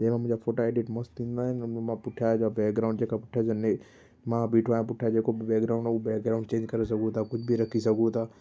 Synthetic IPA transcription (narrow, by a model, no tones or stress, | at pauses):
d͡ʒeːmãmʊ̃ɲd͡ʒafʰoːʈoeːɖɪʈmost̪ĩːnd̪aɦɛnɐnomãpʊʈʰjad͡ʒabɛːk̚ɡɾaːʊ̃ɳɖd͡ʒeːkapʊʈʰjad͡ʒɐne | mãbiːʈʰaẽp̬ʊʈʰjad͡ʒeːkobbɛːkɡɾaːʊ̃ɳɖɛubɛːkɡɾaːʊ̃ɳɖt͡ʃẽːɲd͡ʒkɐɾes̬ɐɡut̪ʰakʊt͡ʃʰbʱiɾɐkʰisɐɡut̪ʰaː